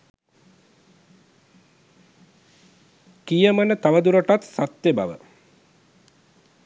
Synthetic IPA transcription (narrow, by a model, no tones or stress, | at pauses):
kijəmənət̪aʋəd̪uɾəʈat̪sat̪ːeba̰ʋə̰